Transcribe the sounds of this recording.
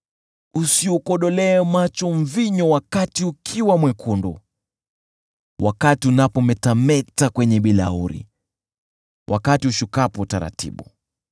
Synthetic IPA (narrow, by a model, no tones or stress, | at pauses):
usiukɔɗɔlɛːmat͡ʃɔɱ̩viɲɔwakatiukʰiwamwɛkʰundɔ̰ | wʔa̰katiunapɔmɛtamɛtakwɛɲɛɓila̰uɾḭ | wʔa̰katiuʃukapɔtaɾa̰tḭɓṵ